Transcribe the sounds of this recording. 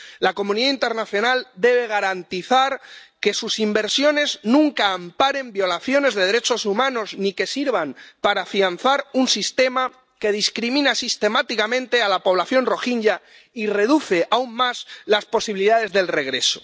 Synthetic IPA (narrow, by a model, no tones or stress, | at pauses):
lako̞muniðaint̪e̞ɾnaθjo̞nald̪e̞β̞e̞ɣ̞aɾant̪iθaɾke̞susimbeɾsjo̞ne̞znũŋkaːmpaɾe̞mbjo̞laθjo̞ne̞zðe̞ð̞e̞ɾe̞t͡ʃo̞sumãno̞znike̞siɾβampaɾafian̟θaɾunsist̪e̞ma | ke̞ð̞iskɾimĩnasist̪e̞mat̪ikamẽ̞nt̪e̞alapo̞β̞laθjo̞nro̞xiɲʎa | ire̞ð̞uθe̞ʔaunmazlaspo̞siβiliðað̞e̞zðelre̞ɣ̞ɾe̞so̞̥